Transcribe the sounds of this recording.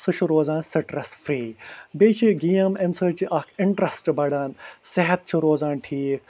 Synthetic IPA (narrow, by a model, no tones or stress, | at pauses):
sɨt͡ʃʰuɾoːzaːnsɨʈɾɐsfɾiːbeːt͡ʃʰiɡijɐmemsəɾt͡ʃiʔɐkʰɪɳʈɾɐsʈbɐɽaːnseɦɐt̪̚t͡ʃʰiɾoːzaːnʈʰiːk